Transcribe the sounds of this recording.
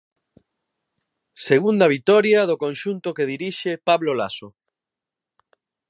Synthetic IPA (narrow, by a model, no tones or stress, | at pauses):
seɣund̪ɐβ̞it̪ɔɾjaðokonʃunt̪okeð̞iɾiʃepaβlola̰so